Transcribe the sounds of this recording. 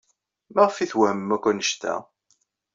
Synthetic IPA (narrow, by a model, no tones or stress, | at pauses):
maʁfiθwæhəmːækʷːænəʃt̪æ̰